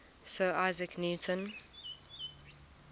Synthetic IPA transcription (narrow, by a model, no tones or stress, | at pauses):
səːʔaɪzəknjuːtʰə̃n